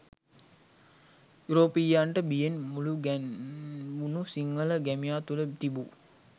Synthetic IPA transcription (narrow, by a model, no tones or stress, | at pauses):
juɾoːpijaɳʈəbijenmuluɡ | unusiŋːələɡæmijaːt̪ulət̪ibu